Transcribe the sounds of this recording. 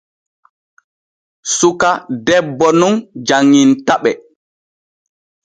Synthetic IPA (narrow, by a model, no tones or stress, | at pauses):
sukadɛbːɔnund͡ʒaŋːintaɓɛ